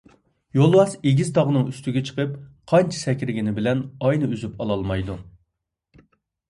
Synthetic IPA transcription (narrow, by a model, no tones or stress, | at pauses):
jolˠwɑseɡʲizt̪ʰɑʁənɨŋyst̪yɡʲɛt͡ʃʰə̥qəp̚qʰɑnt͡ʃʰɛ̥sɛkʲɾɪɡʲɪnɪbɪlɛnɑjnɨyzypɑlˠɑlˠmɑjd̪u